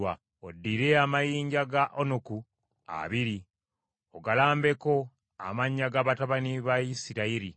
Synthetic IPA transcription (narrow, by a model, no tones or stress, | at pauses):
wa | odːiɾe̞amajiːɲɟaɡaʔonoku | a̰βiɾi | oɡalaːmbe̞ko̞ | a̰maɲːaɡaβataβaniβajisiɾaiɾi